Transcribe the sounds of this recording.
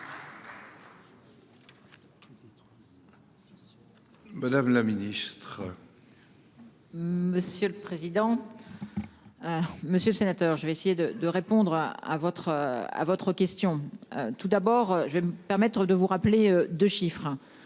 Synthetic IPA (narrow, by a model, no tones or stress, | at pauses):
mad̪amlaminist̪χ | məsjøləpχezid̪ɑ̃ | məsjøləsenat̪œʁʒəvɛesejed̪əd̪əʁepɔ̃d̪ʁa̰vɔt̪χəa̰vɔt̪χəkʲɛst̪jɔ̰̃t̪ud̪abɔːʁøʒəvɛməpɛʁmɛt̪χəd̪əvuʁapleød̪øʃifχə